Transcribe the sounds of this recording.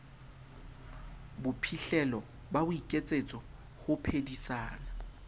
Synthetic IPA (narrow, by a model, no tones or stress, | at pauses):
bʊpʰiɬɛlɔ | babʊikʼet͡sʼet͡sʼɔ | χʊpʰedisaːna